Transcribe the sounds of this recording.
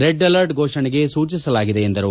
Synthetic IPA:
ɾeɖɐlɐɾʈɡoːʂɐɳiɡe̞suːt͡ʃisɐlaːɡid̪eːnd̪ɐɾu

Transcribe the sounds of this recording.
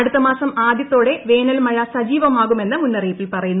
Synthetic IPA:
ɐɽut̪ːɐmaːsɐmaːd̪jɐt̪ːo̞ːɽe̞ʋe̞ːnɐlmɐɻɐsɐd͡ʑiːʋɐmaːɣume̞nːɨmunːɐriːpːilpɐrɐjunː

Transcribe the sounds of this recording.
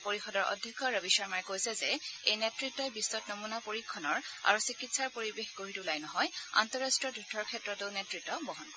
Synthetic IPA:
poɹixɔdɔɹʔɔ̰dʱjɛkʰːɔɹəbisaɹmaɹkojsɛzɛejnetɹitːɔjbisːɔtnɔmunapoɹikʰːɔnɔɹa̰ɹusikitsaɹpoɹibexɡoɦitulajnɔɦɔja̰ntɔɹastɹiɔdʱutʰɔɹkʰɛtɹɔtoʊnetɹitːɔbɔɦɔnkɔ

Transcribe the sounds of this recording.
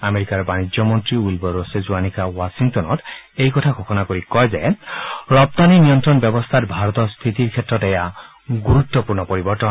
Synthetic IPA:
ameɾikaɾbanid͡ʒjɔmɔnt̪ɾiulbɔɾosezuanikawasiŋt̪ɔnɔt̪ejkɔt̪ʰakʰokʰɔnakoɾikɔjd͡ʒaeɾɔp̚t̪aninijɔnt̪ɾɔnbjɔbɔst̪ʰatbʱaɾɔt̪ɔst̪ʰit̪iɾkʰet̪ːɾɔt̪ɛja | ɡuɾut̪ːɔpuɾnɔpɔɾibɔɾt̪ɔn

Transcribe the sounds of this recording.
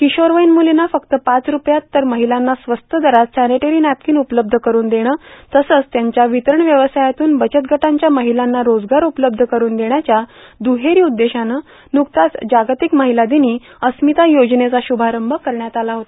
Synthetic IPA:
kiɕoɾʋəjnmulinafəkt̪əpat͡sɾupjat̪ːəɾməɦilanːasʋəst̪ʰəd̪əɾat̪sæneʈeɾiːnæp̚kiːnupləb̚d̪ʱəkəɾuːnd̪eɽ̃əːt̪əsət͡st̪jaɲt͡ɕjaʋit̪əɾəɳʋjəʋəsajat̪uːnbət͡ɕət̪̚ɡʱəʈaɲt͡ɕjaməɦilanːaɾod͡zɡaɾupləb̚d̪ʱəkəɾuːnd̪eɳjat͡ɕjad̪uɦeɾiːud̪ːeɕanə | nukt̪at͡sd͡ʑaɡt̪ikməɦilad̪iniː | əsmit̪ajod͡ʑnet͡saɕubʱaɾəmbʱəkəɾɳjat̪alaɦot̪a

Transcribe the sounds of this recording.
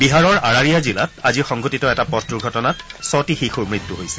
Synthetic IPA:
biɦaɹɔɹaɹaɹijazilataziɹxɔŋɡʱotitɔɛtapɔtɹuɡʱɔtɔnatsɔtixixuɹmɹitːuɦojsɛ̥

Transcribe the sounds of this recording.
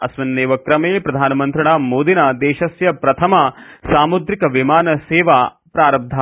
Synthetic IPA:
ɐsʋɐnːeːʋɐkɾɐmeːpɾɐd̪ʱaːnɐmɐnt̪ɾɐɽaːmoːd̪inad̪eːʃɐsjɐpɾɐt̪ʰɐmɐsaːmud̪ɾikɐʋimaːnɐseːʋaː | pɾaːɾɐb̚d̪ʱa

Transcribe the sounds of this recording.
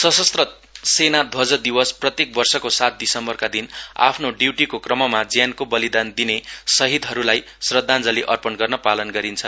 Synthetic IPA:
sʌsʌst̪rʌ | senad̪ʱwʌd͡zʌd̪iwʌsprʌt̪jek̚bʌrsʌkosat̪̚d̪isʌmbʌrkad̪ina̰pʰnoɖiwʈikokrʌmʌmad͡zjankobʌlid̪and̪inesʌɦid̪ɦʌɾulaj | srʌd̪ʱːand͡zʌliʔʌrpʌnɡʌrnʌpalʌnɡʌɾint͡sʰʌn

